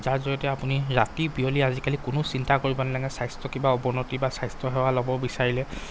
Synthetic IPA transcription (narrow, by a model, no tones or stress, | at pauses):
zaɹzɔjɔtɛapuniɹatibioliazikalikʊnʊsintakoɹibɔnɛlaŋɛsajstɔkimbaɔbɔnotibasajstɔɦɛwalɔbɔbisaɹilɛ